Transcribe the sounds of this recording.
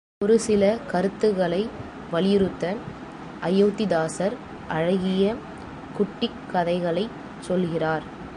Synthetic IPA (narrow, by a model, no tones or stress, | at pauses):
ɔɾɯsɪlɐkɐɾɯt̪ːɯɣɐɭɐɪ | ʋɐlɪjɾɯt̪ːɐ | ʔɐjɐːt̪ɪd̪aːsɐɾ | ʔɐɻɐɣɪjɐ | kʊʈːɪkːɐðɐɪɣɐɭɐɪ | t͡ʃːɔlɣɪraːɾ